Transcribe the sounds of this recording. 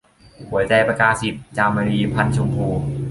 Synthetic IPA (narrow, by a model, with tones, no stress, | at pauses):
hu˨˩˦jtɛː˧pa˧kaː˧si˨˩p̚t͡ɕaː˧mːa˧liː˧pʰa˧nt͡ɕʰo˧mpʰuː˧